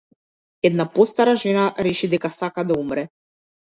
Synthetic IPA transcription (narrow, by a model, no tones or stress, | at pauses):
ɛd̪napɔst̪aɾaʒɛnaɾɛʃid̪ɛkasakad̪aumɾɛ